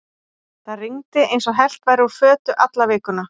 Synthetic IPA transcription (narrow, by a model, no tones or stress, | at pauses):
θaðriŋt̪ɪʔejnsɔɣɦɛl̥t̪vajɾɪuðfœːt̪ʏʔat̪lavɪːkʏna